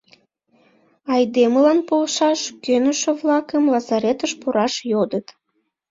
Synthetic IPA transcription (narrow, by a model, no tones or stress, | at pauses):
ɑjd̪eməlɑnpolʃɑʃkønəʃĕβlɑkəmlɑzɑɾet̪əʃpuɾɑʃjod̪ət̪